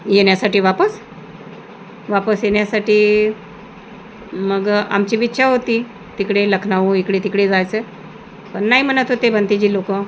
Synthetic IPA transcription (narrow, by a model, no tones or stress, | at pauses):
jeɳjasaʈiːʋapəs | ʋapəsjeɳjasaʈiː | məɡa̰mt͡ɕiːʋitːɕʰaɦot̪iː | t̪ikɽeləkʰnaʋũikɽet̪ikɽed͡zajt͡se | pəɳnaɦim̤əɳ̃ət̪ot̪ebʱənt̪id͡ʑiːlokə